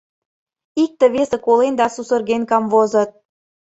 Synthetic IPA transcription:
ik̚t̪ə̆βesə̆kolend̪ɑsusɤ̆rɣenkɑmvozɤ̆t̪̚

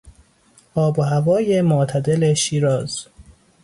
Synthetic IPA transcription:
ʔɒːboɦævɒːjemoʔt̪ʰæd̪eleʃiːɾɒːz̥

